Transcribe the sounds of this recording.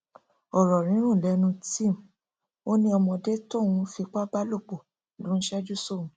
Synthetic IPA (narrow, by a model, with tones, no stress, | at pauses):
ɔ˨ɾɔ˨ɾ̃ĩ˨˦ɾ̃ũ˦˨lɛ˨˦nũ˧tĩ˦˨m | o˦nĩ˦ɔ˧mɔ̃˧de˦to˦˨w̃ũ˧fi˧k͡pa˦ba˦lo˦˨k͡po˨ | lu˨˦n̩˦ʃɛ˦d͡ʒu˦so˦˨ũ˨˦